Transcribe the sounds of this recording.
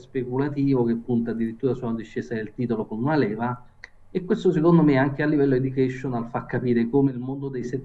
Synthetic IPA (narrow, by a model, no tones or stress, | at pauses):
spekulat̪iːvok̟epːunt̪ad̪ːiɾit̪ːuːɾasulad̪iʃːeːsad̪elt̪iːt̪olokonunalɛːva | ekːwest̪osekond̪omeaŋk̟ealːivɛlːoed̪ukɛʃːonalfakːapiːɾekomeilmond̪od̪ejse